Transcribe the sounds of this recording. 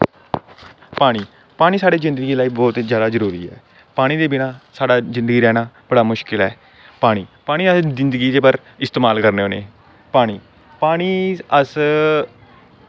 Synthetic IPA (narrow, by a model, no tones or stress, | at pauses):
paːɽ̃iː | paːɽ̃iːsaːɽeːzɪ̃nd̪əɡiːlaːiːbɔːt̪zjaːd̪aːzəɾuːɾḭːɛ̰ː | paːɽ̃iːd̪eːbɪnãːsaːɖaːzɪ̃nd̪əɡiːɾɛːɽ̃aːbəɽaːmʊʃkɪlɛː | paːɽ̃iːpaːɽ̃iːəszɪnd̪ɡiːd̪eːpəɾ | ɪst̪eːmaːlkəɾneːoːnḛː | paːɽ̃iː | paːɽ̃iːəs